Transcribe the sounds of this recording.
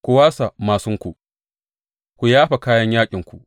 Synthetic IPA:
kʷʊ˨waː˦sa˨maː˨sʊ˦ŋkʷu˨ | kʷu˨jaː˦ɸa˨kaː˦jɐ˦ɲjaː˦kʲʼɪ˨ŋkʷu˨ʔ

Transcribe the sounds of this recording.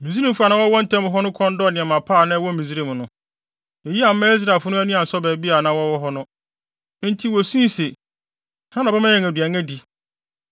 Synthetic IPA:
mĩ˨zi˦ɾĩ˦m̩˨fu˦a˨nã˦wɔ˦wɔ̃˦n̩˦tʰɛ̃˦m˨ɦɔ˦nʊ̃˦kʰɔ̃˦ndɔ˦˨nɪ̃˨ɛ̃˨mã˨pʰa˦˨nã˦wɔ̃˦mĩ˨zi˦ɾĩ˦mnʊ̃˦ | ɛ˨ji˦a˨m̩˦mːã˦i˦s̬ɾa˨lfʊ˦nʊ̃˦æ˦nũ˦ã˨n̩˨sɔ˦bɛ˨bi˦a˨nã˦wɔ˦wɔ˦ɦɔ˦nʊ̃˦ | n̩˦tʰi˦wɔ˨sĩ˦se˨ | hã˦nã˨bɛ˦mã˦ɛ̃˨ŋ˨æ˨dɥæ˨ŋɛ̃˦di˨

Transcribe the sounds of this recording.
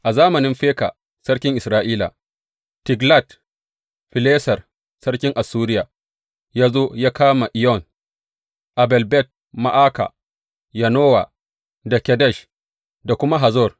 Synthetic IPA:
ʔa˨zaː˦mɐ˨nɪ˦mɸeː˦ka̰˨ | sɐ˦ɽkʲɪ˦ŋʔɪ˨sɾaː˦ʔiː˦la̰˨ | tɪ˨ɡla˦˨t | ɸɪ˨leː˦sɐ˨r | sɐ˦ɽkʲɪ˦ŋʔa˨suː˦ɾɪ˦jaː˨ | jaː˦zoː˦jaː˦kaː˦ma˨ʔɪ˨jɔ˦˨n | ʔa˨bɛ˨lbɛ˦˨t̚ | ma˨ʔaː˦ka̰˨ | ja˨noː˦wa˨ | da˨kʲɛ˨dɛ˦˨ʃ | da˨kʷʊ˦ma˦ɦa˨zɔ˦˨r

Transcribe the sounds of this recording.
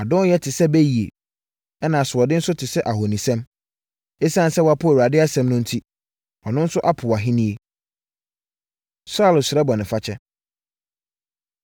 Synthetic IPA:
a˨dʊ̃˦jɛ˦tʰɪ˨sɛ˦be˦ji˨ḛ˨ | ɛ˦nã˨sʊ˨ɔ˨dɪ˦n̩˦sʊ˦tʰɪ˨sɛ˦ʔa˨ɦo˨nĩ˨sɛ̃˦m | e˦sã˦n̩˦sɛ˦wa˦pʰʊ˦e˨u˨ɾa˨dɪ˦a˦sɛ̃˨mnʊ̃˦n̩˦tʰi˦ | ɔ˨nʊ̃˦n̩˦sʊ˦ʔa˦pʰʊ˨a˨ɦɪ̃˦nĩ˦e˦ | sa˦˨lsɪ˨ɾɛ˦bɔ˨nɪ̃˨fa˦t͡ɕʰɛ˦

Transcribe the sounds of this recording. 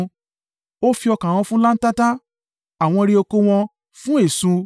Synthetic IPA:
o˦fi˧ɔ˧kã˨w̃ɔ̃˧fũ˦la˦n̩˦ta˦ta˦ | a˨w̃ɔ̃˧ɾi˧o˧ko˧w̃ɔ̃˧ | fũ˦e˦˨sũ˧

